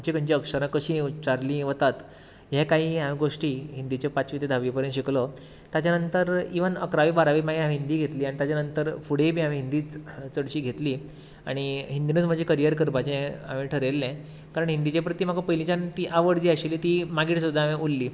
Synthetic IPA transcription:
t͡ɕikəɲt͡ɕiəkʂəɾãkəɕĩut͡ɕaɾliʋət̪at̪ | jekaɦiːɦamĩɡoʂʈiːɦind̪it͡ɕɔpat͡sʋit̪ed̪ʱaʋipəɾjẽnɕiklɔ | t̪jat͡ɕjanənt̪əɾiʋənəkɾaʋibaɾaʋimaɡiɦamĩɦind̪iːɡʱet̪liːaɽ̃it̪jat͡ɕjanənt̪əɾfuɽebʱiːamĩɦind̪iːt͡st͡səɽɕiːɡʱet̪liː | a̰ɽ̃iɦind̪inət͡sm̤əd͡ʑʱekəɾijəɾkəɾpat͡ɕẽa̰mĩʈʰəɾelːɛ̃ | kaɾəɳɦind̪it͡ɕepɾət̪iːm̤aɡapəɦilĩt͡ɕant̪iʔaʋəɽd͡ʑiːaɕilit̪iːmaɡiːʈsud̪ʱːamĩʔulːiː

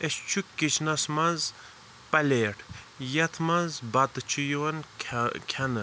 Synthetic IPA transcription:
est͡ʃʰukːit͡ʃʰnɐsmɐz | pɐleːʈʰ | jɐt̪ʰmɐzbɐt̪ɨt͡ʃʰijuwɐnkʲʰɐnɨ

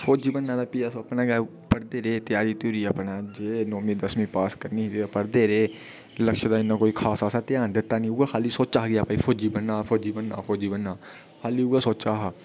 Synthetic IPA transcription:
fʰoːd͡ʒiːbənːãːd̪aːpijaːsopnaːɡaː | pəɾd̪eːɾeːt̪jaːɾiːt̪uːɾiːəpnãːd͡ʒeːnoːmĩːd̪əsmĩːpaːskəɾniːɦd̪iːapəɾd̪eːɾeː | ləkʃd̪aːɪnːãːkoːiːkʰaːsaːsaːt̪ɪjaːnd̪ɪt̪ːaːnĩːʊɡaːkʰaːliːsoːt͡ʃaːɦɡɪaːpaiːfʰoːd͡ʒiːbənːãːfʰoːd͡ʒiːbənːa̰ːfʰoːd͡ʒiːbənːaː | kʰaːliːuːɡaːsoːt͡ʃaːɦaː

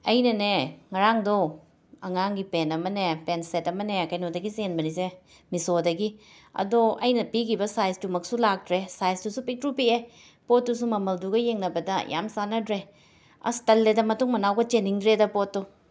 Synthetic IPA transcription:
ɐjnɐneŋɐɾaŋdo | ɐŋaŋɡipenɐmɐnepensetɐmɐnekɐjnodɐɡizenbɐnize | misodɐɡi | ɐ̰doʔɐjnɐpikʰibɐsajsdumɐksulak̚dɾesajsdusupik̚tɾupie | potːusumɐmɐlduɡɐjeŋnɐbɐdɐja̰msanɐdɾe | ɐ̰stɐlːedɐmɐtuŋmɐnawɡɐt͡ʃeniŋdɾedɐpotːu

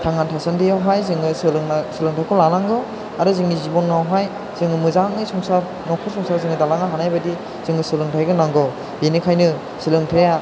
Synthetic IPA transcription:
tʰaŋːantʰasandijawɦajzɯŋɯsɯlɯŋsɯlɯŋtʰakʰɔlanaŋɡɔ | aɾuzɯŋːizibɔnɡawɦaj | z̥ɯŋɯmɯzaŋɯsɔŋsaɾ | nɔkʰɔsɔŋsaɾzɯŋɯdalaŋaɦanajbadi | z̥ɯŋɡɯsɯlɯŋtʰajɡɯnaŋɡɔ | benikʰajnɯ | silɯŋtʰeja

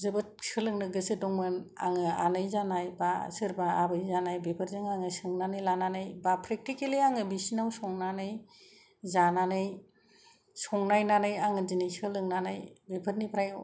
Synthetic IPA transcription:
zɯbɯt̚sɯlɯŋnɯɡɯsɯdɔŋmɯna̰ŋɯa̰nɯjzanajba̰sɯɾbaa̰bɯjzanajbepʰɯɾzɯŋaŋɯsɯŋnanɯjlananɯjbapʰɾek̚tikeliaŋɯbisinawsɔŋnanɯj | zananɯj | sɔŋnajnanɯjaŋɯzinɯjsɯlɯŋnanajbepʰɯɾnipʰɾaj

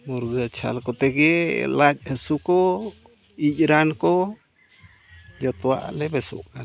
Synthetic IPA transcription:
muɾɡət͡ʃʰa̰lkɔt̪ɛɡɛlac̚ˀhəsukɔ | ic̚ɾankɔ | d͡ʒɔt̪ɔwa̰ʔlɛbɛsɔ̰ʔkan

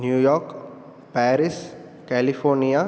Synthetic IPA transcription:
njuːjɔːɾk | pɛːɾɪs | kɛːlifoːɾnija

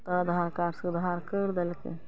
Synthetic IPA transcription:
t̪ɐd̪ʱaːɾkaːɾsəd̪ʱaːɾkəɾd̪ɐlkḛ

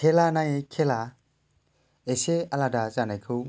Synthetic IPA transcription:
kʰelanãj̃ekʰɛla | esealadat͡ʃanakʰu

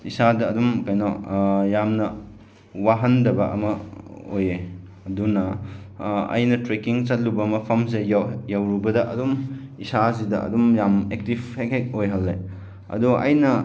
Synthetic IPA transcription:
isadɐːdumkajnɔjamnɐ | waɦɐndɐbɐʔɐ̰mɐo̰je | ɐdunɐ | ɐ̰jnɐtɾekiŋt͡ʃɐt̚lubɐmɐpʰɐms̬ejjawɾubɐdɐʔɐ̰dumisasidɐɐ̰dumjamek̚tibhekʰek̚ojɦɐlːe | ɐ̰duɐ̰jnɐ

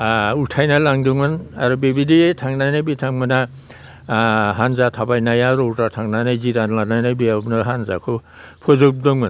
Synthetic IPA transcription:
uɾtʰajnalaŋdɯŋmɯnaɾɔbebiditʰaŋnajnajbitʰaŋmana | ɦanzatʰabajnajaɾɔutatʰaŋnajnajzidanlanajnajbijapnaɦanza̰kʰɯ | pʰɔzɯdɔŋman

